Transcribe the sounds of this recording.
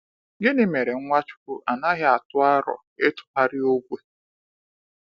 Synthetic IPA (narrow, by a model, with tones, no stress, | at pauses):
ɡɪ˦nɪ˨me˨ɾe˨ŋ̩˦ŋʷa˦t͡ʃʊ̥˦ku˦ʔa˨na˦ɦɪ˦a˨tʊ˦a˦ɾɔ̰˨ | e˦tʊ̥˨ta˦ɾɪ˦o˦ɡʷe˦